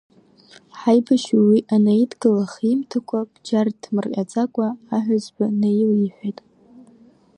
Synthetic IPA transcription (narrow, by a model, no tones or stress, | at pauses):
ħajbaʃuwiʔanaidɡɨlaχimtʰakʷʰab̥d͡ʒardʰmɨrʔʲʼat͡sʼakʷʼaːħʷazbanajliħʷᶣejtʼ